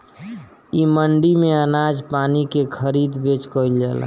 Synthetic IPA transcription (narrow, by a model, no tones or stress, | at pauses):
iməɳɖimeənad͡ʒpanikekʰəɾid̪bet͡ʃkəjld͡ʒɛ̰l̰